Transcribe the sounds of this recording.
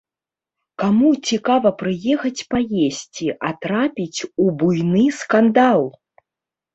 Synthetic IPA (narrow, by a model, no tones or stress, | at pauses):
kamut͡sʲikavɐpɾɨjɛxɐt͡sʲpajesʲt͡sʲiʔat̪ɾapʲit͡sʲubujnɨskand̪alˠ